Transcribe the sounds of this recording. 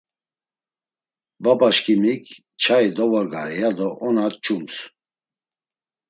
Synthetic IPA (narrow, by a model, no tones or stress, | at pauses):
babaʃkʰimik | t͡ʃʰaid̪ɔvɔɾɡaɾɛjad̪ɔʔɔnat̪t͡ʃʰʼums